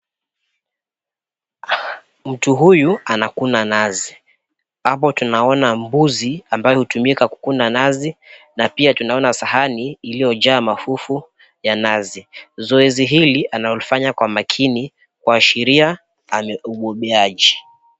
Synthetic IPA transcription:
m̩tuɦujuanakunanazi | ap̬ɔtunaɔnambuziambajɔhutumikaku̥kunanazi | napiatunaɔnasahaniːlijɔʄaːmafufu | janazizɔɛziɦiliʔanaɔlifaɲakwamakʰini | kwaːʃɛɾia | amɛuɓɔɓɛaʄi

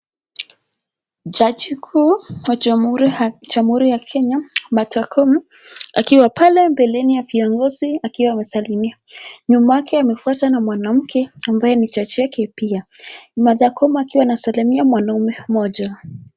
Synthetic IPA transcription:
d͡ʒad͡ʒikʰuwaɾd͡ʒamhuɾijakʰɛɲamatakʰɔmu | a̰kiwapalɛmbɛlɛnijaviɔŋɡɔziakiwaːmɛsalimiaɲumaakɛamɛfuatanamwanam̩kʰɛambajɛnit͡ʃat͡ʃiakɛpiamaðakɔmakiwanasalimiamwanaumɛmɔʄa

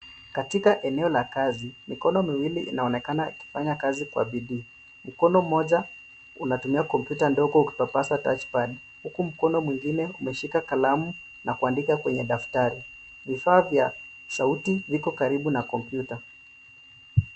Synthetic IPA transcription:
katikaʔɛnɛɔlakazimikɔnɔmiwiliʔḭnaɔnɛkanaiki̥faɲakazikwa̰ɓiɗiː | m̩kɔnɔm̩ɔʄa | unatumiakɔmpjutandɔɡɔuki̥papaswatat͡ʃpaɗ | hukum̩kɔnɔmwiŋɡinɛumɛʃikakalamu | nʔakuandikakwɛɲɛɗaftaɾi | vifaːvja | sautivikɔkaɾiɓunakɔmpjuta

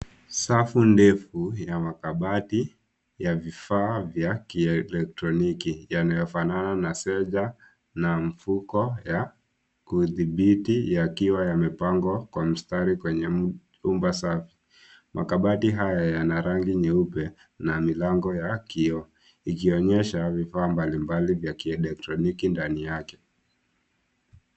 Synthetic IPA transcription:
safundɛfujamakaɓati | javifaːvjakiɛlɛk̚tɾɔnikijanajɔfanananasɛʄa | nam̩fukɔja | kuðiɓitijakiwajamɛpaŋɡɔkwam̩staɾikwɛɲɛ | umbasafi̥ | mʔa̰kaɓatiɦajajanaɾaŋɡiɲɛupɛ | namilaŋɡɔjakiɔ | ikiɔɲɛʃavifaːmbalimbalivjakiɛlɛk̚tɾɔnikindanijakɛ̥

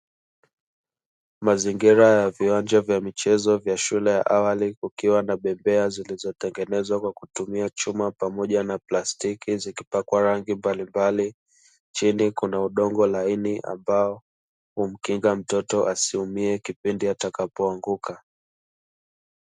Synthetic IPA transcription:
maziŋɡiɾajaviwaɲd͡ʒavjamit͡ʃɛzɔvjaʃulɛja̰ʔawalikukiwanaɓɛmbɛazilizɔtɛŋɡɛnɛzwakwakutumiat͡ʃumapamɔʄanaplastikizikipakwaɾaŋɡimbalimbali | t͡ʃinikunauɗɔŋɡɔlainiʔa̰mbaɔ | hum̩kiŋɡam̩tɔtɔʔasiumiɛkipindiatakapɔaŋɡuka

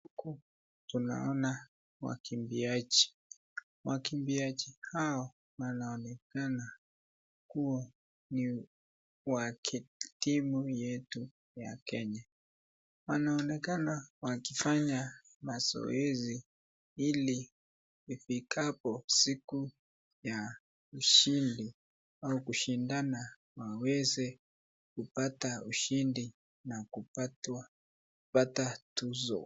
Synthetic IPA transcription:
huku | tuna̰ɔna | wa̰kʰimbiat͡ʃi̥ | wakimbiat͡ʃihaɔ | wanaɔnɛkana | kuɔ | ni | wakʰitimujɛtu | ja̰kɛɲa | wanaɔnɛkanawakifaɲa | mazɔ̰ɛzi | iliː | fikʰapɔsiku | ja | uʃindi | aukuʃindana | wawɛzɛ | kupatauʃindi | nakupat | patatuzɔ̰

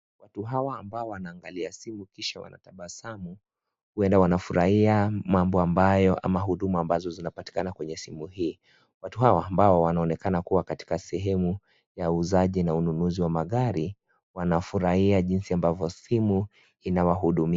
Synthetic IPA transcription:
wʔatuɦawaːmbaɔwanaːŋɡaliasimukiʃawa̰na̰taɓasamu | huɛndawanafuɾʔahiamambɔambajɔʔa̰maɦuɗumuambazɔzinapati̥kanakwɛɲɛsimuhiː | watuɦawaːmbaɔwanaɔnɛkanakuwakati̥kasɛɦɛmu | jauzaʄinaununuziwamaɠaɾi | wanafuɾahiaʄinsiambavɔsimu | inawaɦuɗumia

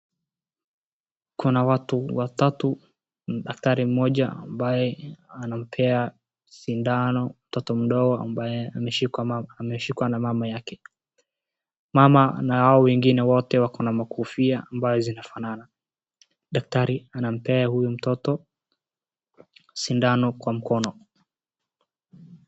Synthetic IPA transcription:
kunawatuwatatu | nɗak̚taɾim̩mɔʄaa̰mbajɛanam̩pʰɛa | sindanɔm̩tɔtɔm̩ɗɔɡɔambajɛamɛʃiaamɛʃikwanamamajakɛ | mamanahaɔwɛŋɡinɛwɔtɛwakɔnamakufiaambazɔzinafanana | ɗak̚taɾianam̩pɛahujum̩tɔtɔ | sindanɔkwam̩kɔnɔ

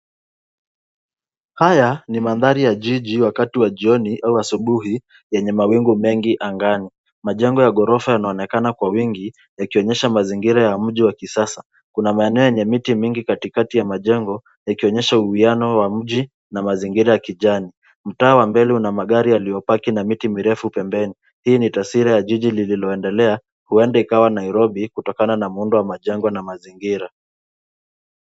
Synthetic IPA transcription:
hajanimanðaɾijaʄiʄiwakatiwaʄiɔniʔauasuɓuhi | jɛɲɛmawiŋɡumɛŋɡiʔaŋɡani | maʄɛŋɡɔjaɠɔɾɔfajanaɔnɛkanakwawiŋɡi | jakiɔɲɛʃamaziŋɡiɾajam̩ʄiwakisasa | kunamaɛnɛɔjɛɲɛmitimiŋɡikatikatijamaʄɛŋɡɔ | jakiɔɲɛʃauhianɔwam̩ʄi | namaziŋɡiɾajakiʄani | m̩taːwambɛliunamaɠaɾialijɔpakinamitimiɾɛfupɛmbɛni | hiːnitasiɾajaʄiʄilililɔɛndɛlɛa | huɛndɛikawanaiɾɔbikutɔkananamuundɔwamaʄɛŋɡɔnamaziŋɡiɾa

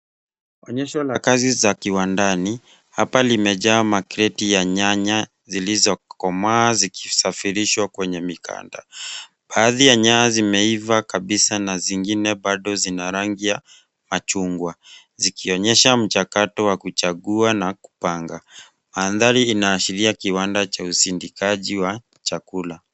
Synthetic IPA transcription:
ɔɲɛʃɔlakazizakiwandani | hapalimɛʄaːmakɾɛtijaɲaɲa | zilizɔkɔmaːziki̥safiɾiʃwakwɛɲɛmikʰa̰nda̰ | ɓaːðijaɲaːzimɛivakaɓisanaziŋɡinɛɓaɗɔzinaɾaŋɡija | mat͡ʃuŋɡwa | zikiɔɲɛʃam̩t͡ʃakatɔwakut͡ʃaɠuanaku̥paŋɡa | maːnðaɾiːnaːʃiɾiakiwandat͡ʃausindikaʄiwa | t͡ʃakula

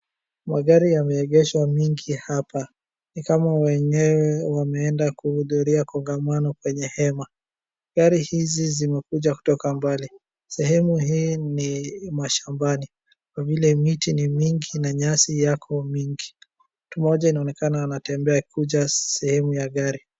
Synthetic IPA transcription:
maɠaɾijamɛɛɠɛʃwamiŋɡihapʰa | nikamawɛɲɛwɛwamɛɛndakuhuðuɾiakɔŋɡamanɔkwɛɲɛhɛma | ɡaɾihizizimɛkuʄaku̥tɔkambali | sɛhɛmuhiːnimaʃambani | kwavilɛmitinimiŋɡinaɲasijakʰɔmiŋɡi | tumɔʄainaɔnɛkanaanatɛmbɛakʰuʄasɛhɛmujaɠaɾi

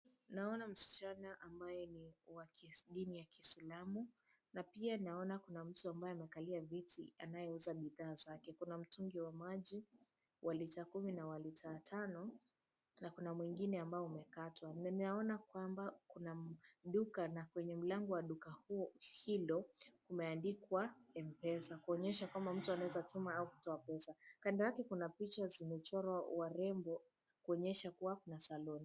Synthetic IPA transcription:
naɔnam̩si̥t͡ʃanaʔambajɛniwakiɗinijakisilamu | napianinaɔnakunam̩tuambajɔamɛkaliavitḭa̰najɛuzaɓiðaːzakɛkunam̩tuŋɡiwamaʄi | wʔalitaːkuminawalitʰatʰanɔ | nakunamwiŋɡinɛambaɔumɛkatʰwanninaɔnakwambakunaɗukanakwɛɲɛm̩laŋɡɔwaɗukahuhilɔkumɛandikwaɛm̩pɛsakuɔɲɛʃakwambam̩tuanawɛzatumaauku̥tɔapɛsakandaɾakɛkunapit͡ʃazimɛt͡ʃɔɾwawaɾɛmbɔ | kuɔɲɛʃakuwakunasalɔni

